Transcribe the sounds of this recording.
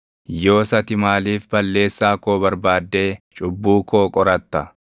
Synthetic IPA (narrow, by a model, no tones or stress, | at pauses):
jo̞ːsɐt̪ɪmaːliːfbɐlːe̞ːsːaːkoːbɐɾbaːd̪ːe̞ːt͡ʃʼʊbːuːko̞ːkʼɔɾɐt̪ːɐ